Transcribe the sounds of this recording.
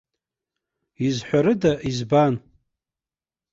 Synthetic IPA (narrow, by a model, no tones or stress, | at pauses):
izħʷaɾɨdaʔizban